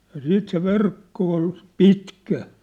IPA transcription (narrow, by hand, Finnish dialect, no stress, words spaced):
jɑ siːt se ʋerkːo ol pitkæ